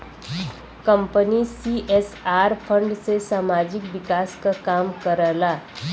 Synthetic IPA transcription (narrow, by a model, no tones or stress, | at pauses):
kəmpənisiʔesaɾfʰəɳɖt͡sesamad͡ʑikʋikaskakamkəɾəla